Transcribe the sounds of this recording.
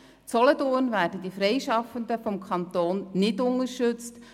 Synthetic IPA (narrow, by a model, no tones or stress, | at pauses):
t͡sɔlɔdoːnvæːrdədifɾɛɪʃɑfəndəfɔmkʰɑntoːnːɪdʊŋəɾʃɵt͡st